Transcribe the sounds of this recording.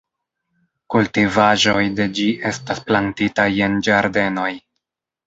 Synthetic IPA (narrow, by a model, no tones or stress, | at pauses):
kultivaʒo̞jde̞d͡ʒiʔe̞stasplantitaje̞nd͡ʒaɾde̞no̞j